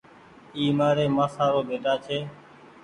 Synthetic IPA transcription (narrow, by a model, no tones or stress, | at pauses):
iːmaːɾeːmãːsaːɾoːɓeːʈaːt͡ʃʰeː